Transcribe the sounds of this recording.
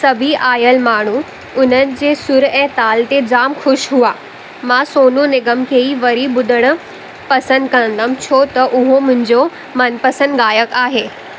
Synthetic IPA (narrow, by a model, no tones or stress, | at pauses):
sɐbʱiʔaːjəlmaːɽ̤ũ | ʊn̤ənɪ̆d͡ʑeːsʊɾɛ̃ːt̪aːlt̪ed͡ʑaːmxʊʃɦuaː | mãsoːnũnɪɡəmkʰeːiʋɐɾiɓʊd̪əɽ̃ʊ̆ | pɐsə̃nd̪kɐə̃nd̪əmt͡ɕʰoːt̪ɐʔʊɦomʊ̃ɦɪ̃ɲd͡ʑo | mɐnpɐsə̃nd̪ɠaːjəkaːɦeː